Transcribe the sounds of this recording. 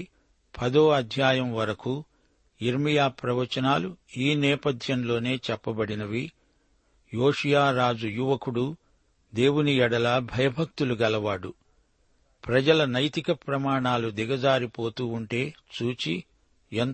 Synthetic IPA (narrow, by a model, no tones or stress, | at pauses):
pʰɐd̪oːɐd̪ʱjaːjɐmʋɐɾɐku | iɾmijaːpɾɐʋɐt͡ʃɐnaːluiːnɛːpɐd̪ʱjɐmlo̞ːne̞ːt͡ʃɛpːɐbɐɽinɐʋi | jo̞ːʂijaːɾaːd͡ʒujuʋɐkuɽu | d̪e̞ːwuniɛɽɐlaːbʱɐjɐbʱɐk̚t̪uluɡɛlɐʋaːɽu | pɾɐd͡ʒɐlɐnɐjt̪ikɐpɾɐmaːɳaːlud̪iɡɐd͡ʒaːɾipo̞ːt̪uːɳʈe̞ːt͡ʃuːt͡ʃi | en